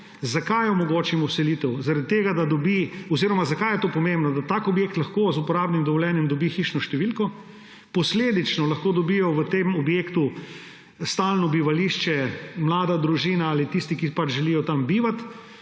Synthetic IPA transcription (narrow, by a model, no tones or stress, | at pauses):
zakajɔmɔɡoːt͡ʃimɔwsɛliːt̪ɛwzaɾad̪̚t̪ːeːɡad̪ad̪ɔbiɔziɾɔmazakajɛt̪oːpɔmẽmbnɔd̪at̪aːkɔbjeːk̚t̪lɐxkoːzupɔɾaːbnimd̪ɔʋɔljɛːnjɛmd̪ɔbixiːʃnɔʃt̪ɛʋilkɔ | pɔsleːd̪it͡ʃnɔlɐxkoːd̪ɔbiːjɔʋət̪emɔbjeːkt̪u | st̪aːlnɔbiʋaliːʃt͡ʃɛmlaːd̪ad̪ɾuʒiːnaalit̪ist̪ikipat͡ʃʒɛlijɔt̪ambiːʋat̪